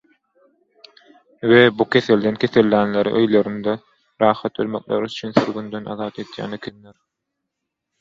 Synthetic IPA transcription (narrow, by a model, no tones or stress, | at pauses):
webukʰʲe̞θe̞ld̪enkʲʰe̞θe̞lːæːnleɾḭʔøjloɾynd̪e | ɾɑːxɑt̪ølmo̰k̚lḛɾyyt͡ʃʰynθyɾɡynd̪ønɑ̰ðɑːt̪e̞d̪jæ̰ːnekʲʰenleɾ